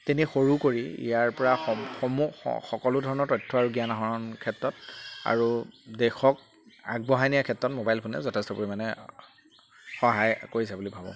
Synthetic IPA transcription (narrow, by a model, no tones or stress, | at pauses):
tenixoɹukoɹiḭjaɹpɔɹaxɔxɔmṵxɔkɔlʊdʱɔɹɔnɔɹtɔjtʰːɔaɹuɡijanaɦɔɹɔnkʰɛtɹɔta̰ɹudɛxɔk̚ | aɡ̚bɔɦajnijakʰɛtːɔtmobajlpʰʊnɛ̰zɔtʰɛstɔpuɹimanɛ | xɔɦajkoɹisabulibʱabɔ̰̃